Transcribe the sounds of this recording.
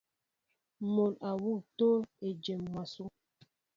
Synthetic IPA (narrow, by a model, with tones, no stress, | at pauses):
mo˨la˨wu˦˨to˦le˨d͡ʒɛ˨mmwa˨su˦